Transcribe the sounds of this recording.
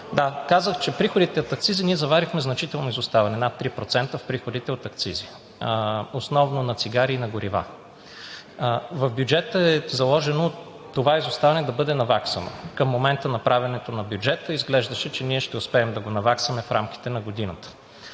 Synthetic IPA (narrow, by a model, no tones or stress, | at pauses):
d̪akazəxt͡ʃɛpɾixod̪it̪ɛot̪ɐk̚t̪siziniɛzɐvaɾixmɛznɐt͡ʃit̪ɛlˠnoizʊst̪avɐnɛnat̪ːɾipɾot̪sɛnt̪əfpɾixod̪it̪ɛot̪ɐkt̪sizi | osnɔvnonɐt̪siɡaɾiːnɐɡoɾiva̰ | vɐvbjʊd͡ʒɛt̪əɛzɐlˠɔʒɛno | t̪ːovaɛizʊst̪avɐnɛd̪ɐbɤd̪ɛnɐvaksə̰no̰kəmːomɛnt̪ənɐpɾavʲɛnɛt̪onɐbjud͡ʒɛt̪əizɡlɛʒd̪ɐʃɛt͡ʃɛniɛʃt̪ɛʊspɛːmd̪ɐɡonɐvaksɐmɛfɾamk̟ʲi̥t̪ɛnɐɡod̪inət̪ə̥